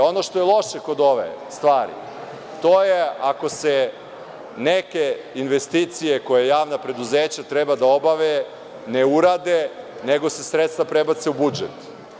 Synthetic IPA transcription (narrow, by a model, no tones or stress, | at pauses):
o̞no̞ʃt̪o̞jelˠo̞ʃeko̞d̪o̞ʋḛst̪ʋaːɾḭ | t̪oːjeako̞se | nekeinʋest̪it̪sije̞ko̞jejaːʋnapɾe̞d̪uzeːt͡ɕat̪ɾebad̪aobaʋe | neuɾaːd̪eneɡo̞se̞sɾet̪st̪vapɾebat̪se̞ubud͡ʒḛt̪